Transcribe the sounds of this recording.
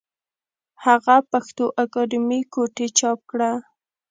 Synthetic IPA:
haɣapaxt̪oʔakɔd̪ɪmikoʈet͡ʃɑp̚kɽa

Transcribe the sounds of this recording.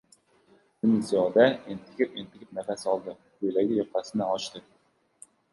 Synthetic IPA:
d̪ɪnɪsijɒd̪aent̪ʰɪ̥kʲʰɪpent̪ʰɪkʲɪp̚nafasɒlˠd̪ɪ | kɵjlaɡʲɪjɒɾqʰasɪnɪɒt͡ʃt̪ɪ

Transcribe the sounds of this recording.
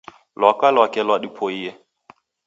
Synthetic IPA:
lwakalwakɛlwadipʰoiːɛ

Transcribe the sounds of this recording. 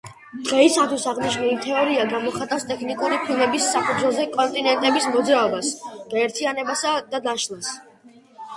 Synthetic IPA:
d̪̥ʁɛisat̪ʰwisaʁniʃniimt̪ʰɛɔɾiaɡamɔχat̪ʼafst̪ʼɛkʰnikʼuɾipʰilˠmɛbisːapʰud̪wɛzɛkʼɔnt̪ʼinɛnt̪ʼɛbismɔd̪zɾaɔbasɡ̥aɛɾt̪ʰianɛbasad̪ad̪aʃlˠas

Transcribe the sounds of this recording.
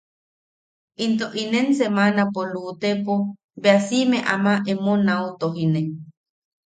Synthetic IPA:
int̪oʔinensemanapolut̪epo | beasimẽʔamaʔemonaut̪oɦine

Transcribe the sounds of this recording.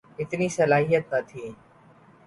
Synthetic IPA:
ɪt̪niːsəlaːɦijət̪nət̪ʰiː

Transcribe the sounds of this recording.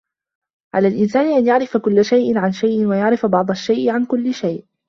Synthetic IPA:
ʕalaːlʔɪnsaːnɪʔanjaʕɾɪfakʊlːaʃajʔɪnʕanʃajʔɪnwajaʕɾɪfabɑʕd̪ˤaʃːajʔɪʕankʊlːɪʃajʔ

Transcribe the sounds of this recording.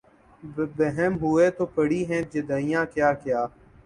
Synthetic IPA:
bəɦɛmɦʊeːt̪oːpəɽiːɦɛ̃ːd͡ʒed̪aːijãːkjaːkjaː

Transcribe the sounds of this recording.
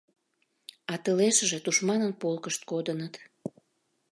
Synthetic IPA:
ɑt̪əleʃəʒet̪uʃmɑnənpolkəʃt̪̚kod̪ənət̪

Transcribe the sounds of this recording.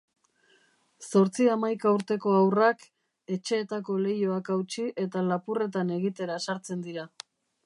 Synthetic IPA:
so̞ɾt͡siamajkauɾt̪e̞ko̞awrak | e̞t͡ʃe̞ːt̪ako̞le̞joakawt͡ʃiʔe̞t̪alapure̞t̪ane̞ɣit̪e̞ɾasaɾt͡se̞nd̪iɾa

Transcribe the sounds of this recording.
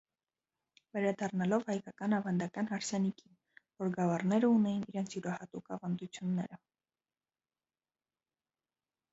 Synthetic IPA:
vɛɾɑd̪ɑrnɑlɔvhɑjkɑkɑnɑvɑnd̪ɑkɑnhɑɾsɛnikin | vɔɾɡɑvɑrnɛɾəunɛjiniɾɛnt͡sʰjuɾɑhɑt̪ukɑvɑnd̪ut͡sʰjunːɛ̰ɾə

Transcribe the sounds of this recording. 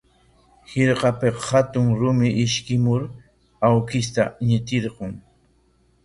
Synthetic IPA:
hɪɾqɑpeqhat̪ʊŋɾʊmɪʔɪʃkɪmʊɾ | awkɪs̬t̪aɲɪt̪ɪɾqʊŋ

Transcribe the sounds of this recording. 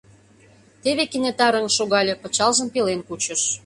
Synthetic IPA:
t̪eβekinet̪ɑɾə̆ŋʃoɣɑlʲĕpə̆t͡ɕɑlʒə̆mpelenkut͡ɕə̆ʃ

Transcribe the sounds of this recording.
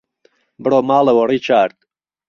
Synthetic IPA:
bɨɽomaːlewɔriːt͡ʃʰaːɾt̪̚

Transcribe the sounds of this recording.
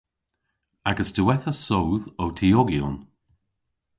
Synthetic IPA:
aɡəsdəwɛθəsowðowtʰiɔɡjo̰n

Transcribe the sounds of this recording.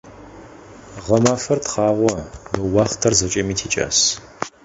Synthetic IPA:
ʁɐmaːfɐrtχɑːʁʷɔnɨwɑːχtʰɐrzɐt͡ʃʼɐmiːtʰiːt͡ʃʼa̰ːs

